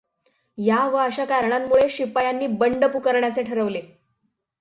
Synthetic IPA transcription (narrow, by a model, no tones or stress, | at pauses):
jaʋəəɕakaɾɳamːuɭeɕipajanːiːbəɳɖəpukəɾɳjat͡seʈʰəɾəʋle